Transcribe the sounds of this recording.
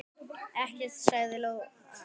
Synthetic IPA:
ɛhcɛt̪saːɣðɪlow

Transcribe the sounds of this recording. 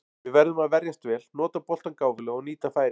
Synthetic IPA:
vɪðvɛɾðʏmaðvɛɾjast̪vɛːlnɔːt̪apɔl̥t̪ankaːwvɪlʏɔɣniːt̪afaːjɾɪ

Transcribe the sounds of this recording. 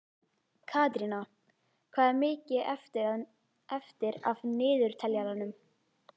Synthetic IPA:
kʰaːt̪ɾina | kʰv̥aːðɛɾmɪːcɪɛft̪ɪɾa | ɛft̪ɪɾa̰vnɪːðʏɾ̥t̪ʰɛljalanʏm

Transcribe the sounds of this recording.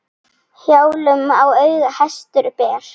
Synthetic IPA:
hjaːwlʏmawœɥɣahast̪ʏɾpɛːɾ̥

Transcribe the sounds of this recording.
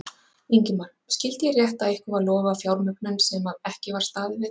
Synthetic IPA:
iɲcɪmalscɪlt̪ɪjɛrjɛht̪aðɪhkʏvaðlɔːvafjawɾmʏknʏnsɛmaðɛhcɪvaɾ̥st̪aːðɪvɪð

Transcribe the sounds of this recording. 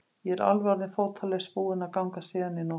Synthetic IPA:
jɛɛɾa̰lvɔɾðɪnfoːwt̪ʰalɛspuːɪnakawŋkasɛːðanːɪnɔ

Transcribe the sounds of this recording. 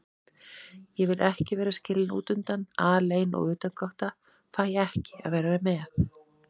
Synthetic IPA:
jɛvɪlʔɛhcɪvɛːɾascɪlɪnṵːt̪ʏnt̪anaːleːjnʔɔ̰ɣʏːt̪ankawht̪a | fajɛɛhcɪ̥a̰ðveːjɾaɾamɛθ

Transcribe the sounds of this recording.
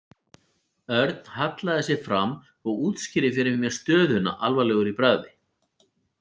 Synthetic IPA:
œɾt̪nhat̪laðɪsjɛfɾam | ɔɣuːt̪scɪɾɪfɪɾɪmjɛɾ̥st̪œːðʏna̰ʔalvalɛɣʏɾipɾaːðɪ

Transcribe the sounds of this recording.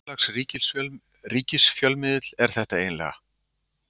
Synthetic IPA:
axsriːcɪsl | riːcɪsfjœlmɪːðɪt̪l̥ɛɾ̥θɛht̪aeːjnlɛ̰ɣa̰

